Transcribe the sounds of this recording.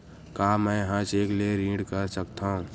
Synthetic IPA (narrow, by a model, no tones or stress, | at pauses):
kaːmɛ̃ːɦãːt͡ʃeːkleɾĩːɖkəɾsəkt̪aũː